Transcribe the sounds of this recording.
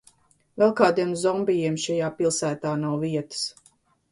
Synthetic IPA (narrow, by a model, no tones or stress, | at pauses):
vɛlˠkaːd̪iɛmzɔmbijiɛmʃɛjaːpilˠsæːt̪aːnawviɛt̪ə̥s